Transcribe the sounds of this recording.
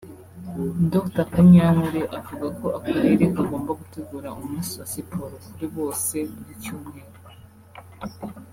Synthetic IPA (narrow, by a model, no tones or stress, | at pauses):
doktakaɲanuɾeʔavuɡako̞akaɾeɾekaɡo̞ːmbaɡuteɡuɾaʔumusowasipʰoɾokuɾiβo̞ːse̞buɾicuːmŋe̞ːɾo